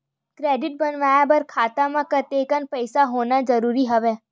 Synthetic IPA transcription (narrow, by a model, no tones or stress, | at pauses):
kɾeːɖɪʈ̚bɐnʋaːjabɐɾkʰaːt̪amãkət̪eːkənpəɪsaɦoːnazɐɾuːɾiɦɐʋeː